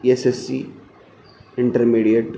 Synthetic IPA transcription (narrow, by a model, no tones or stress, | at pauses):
esesḭ | ɪɳʈəɾmiɽijəʈ